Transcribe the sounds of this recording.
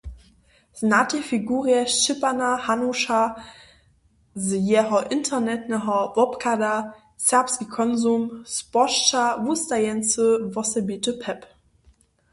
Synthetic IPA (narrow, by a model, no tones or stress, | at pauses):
znatʰefiɡuːʁiɛʃt͡ʃɪpanahanuʃa | zəjɛːʁɐʔɪntʰɐnɛtnaɦɐvɔpkʰada | sɛɐpskikʰɔnzumspɔʃt͡ʃavustajɛnsəvɔsəbitəpʰɛp